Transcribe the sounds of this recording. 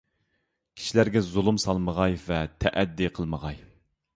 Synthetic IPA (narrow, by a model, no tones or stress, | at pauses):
kʲʰi̥ʃilæɾɡʲɛzulˠumsɑlˠməʁɑjvɛt̪ʰɛʔɛd̪ːiqʰəlˠməʁɑj